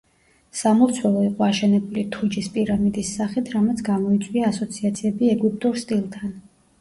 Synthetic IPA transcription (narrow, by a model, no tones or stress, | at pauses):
samɔɾt̪sʰwɛlˠɔiqʼɔaʃɛnɛbulit̪ʰud͡ʒispʼiɾamid̪isːaχit̪ʰɾamɛt̪sʰɡamɔit̪sʼwiaːsɔt̪sʰiat̪sʰiɛbiɛɡip̚ʼt̪ʼuɾst̪ʼilˠt̪ʰan